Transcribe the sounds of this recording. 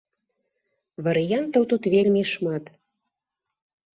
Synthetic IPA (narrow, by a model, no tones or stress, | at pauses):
βɑɾijɑnt̪ŏwt̪ut̪βelʲmʲeʃmɑt̪